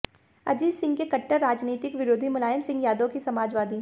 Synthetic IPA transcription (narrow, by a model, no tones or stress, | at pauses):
ɐ̰d͡ʒiːzsɪ̃ŋɡkekɐʈːəɾːaːd͡ʒniːt̪ɪkʋɪɾoːd̪ʱimʊlaːjəmsɪ̃ŋɡjaːd̪õkisɐmaːd͡ʒʋaːd̪iː